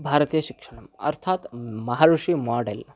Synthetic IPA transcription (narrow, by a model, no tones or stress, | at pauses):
bʱaɾt̪ijəɕikʂəɽ̃ɐmə̰ɾt̪ʰat̪mɐɦaɾuʂiːmɔɽḛl